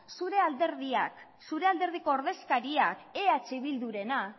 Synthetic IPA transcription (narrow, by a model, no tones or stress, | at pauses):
suɾe̞ald̪eɾðia̰k | suɾe̞ald̪e̞ɾð̞iko̞ːɾðe̞skaɾiakeat͡ʃiβild̪uɾe̞na